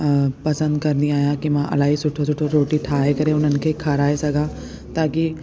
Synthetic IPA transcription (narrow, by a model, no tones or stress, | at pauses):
pɐsə̃nd̪kɐɾnd̪ĩaːjãkimãʔɐ̰laːɦisʊʈʰosʊʈʰoɾoːʈiʈʰaːekɐɾeʊn̤ənɪ̆kʰeːkʰaːɾaːesɐɡʱã | t̪ãːki